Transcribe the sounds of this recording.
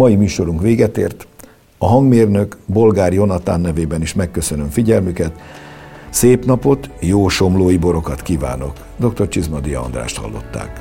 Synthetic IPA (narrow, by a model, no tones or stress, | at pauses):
ɒjimyːʃo̞ɾuŋkʋeːɡɛt̪eːrt̪ | ɒɦɒŋɡmeːrnø̞kbo̞lɡaːrjo̞nɒt̪a̰ːnːɛveːbɛniʃmɛkːø̞sønø̞ɱfiɟɛlmykɛt̪ | seːpnɒpo̞t̪joːʃo̞mloːjibo̞ɾo̞kɒt̪kiːva̰ːno̞k | d̪o̞k̚t̪o̞rt͡ʃizmɒd̪ijɒ̰ɒ̰nd̪ra̰ːʃt̪hɒ̰lːo̞̰t̪ːa̰ːk